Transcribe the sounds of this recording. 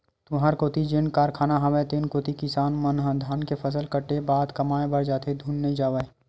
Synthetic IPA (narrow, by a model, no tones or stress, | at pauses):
t̪ʊɦaːɾkoːt̪id͡ʒɪnkaːɾkʰaːnaɦɐʋeːt̪enkoːt̪ikɪsaːnmɐnɦə̃d̪ʱaːnkepʰɐsəlkəʈebaːd̪kɐmaːẽbɐɾd͡ʒaːt̪ʰed̪ʱuːnːeĩd͡ʒaːʋəe